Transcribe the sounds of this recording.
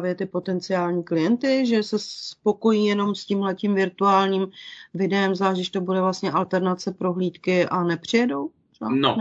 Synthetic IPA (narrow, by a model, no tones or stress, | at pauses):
vjɛt̪ɪpo̞t̪ɛnt͡sɪaːlɲiːklɪjɛnt̪ɪʒɛsɛspo̞ko̞jiːjɛno̞mscimɦlɛcimvɪɾt̪uaːlɲiːmvɪdɛɛmzaʒɪʃt̪obudɛvlast̪ɲɛʔalt̪ɛɾnat͡sɛpɾo̞ɦliːt̪kɪʔanɛpr̥ɪjɛdo̞w | a̰no̰